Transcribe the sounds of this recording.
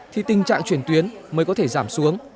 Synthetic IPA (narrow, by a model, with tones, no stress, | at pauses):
t̪ʰi˨˩t̪ï˨˩ŋ̟t͡ɕa̰ː˧˨ŋt͡ɕwi˧˩ənt̪wi˨˦ənməː˨˦jkɔ˨˦t̪ʰe˧˩zaː˧˩msu˨˦əŋ